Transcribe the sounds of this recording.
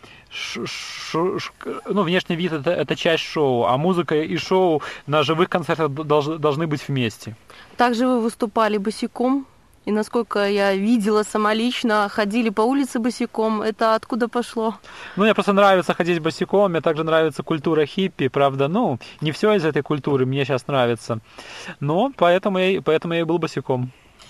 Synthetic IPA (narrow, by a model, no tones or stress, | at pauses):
ʂʂoʂnuvnʲeʂnʲɪjvʲit̪ɛt̪əʔɛt̪ət͡ɕæsʲtʲʂoʊa̰muzɨkəiʂoʊnəʐɨvɨxkɐnt̪sɛrt̪əxd̪ɐlˠʐd̪ɐlˠʐnɨbɨtʲvmʲesʲtʲɪt̪aɡʐɨvɨvɨst̪ʊpalʲɪbɨsʲɪko̞m | inɐsko̞lʲkəjavʲidʲɪlˠəsəmɐlʲit͡ɕnəxɐdʲilʲɪpɐulʲɪt̪sɨbɨsʲɪko̞mɛt̪əɐt̪kud̪əpɐʂlˠonumʲnʲepɾost̪ənɾavʲɪt̪səxɐdʲetʲbəsʲɪkommʲet̪aɡʐɨnɾavʲɪt̪səkʊlʲt̪uɾəxʲipʲːɪpɾavd̪ənunʲɪfsʲoɪzɛt̪əjkʊlʲt̪uɾɨmnʲeɕasnɾavʲɪt̪sənopɐɛt̪əmʊjajpɐɛt̪əmʊjajbɨlˠbəsʲɪkom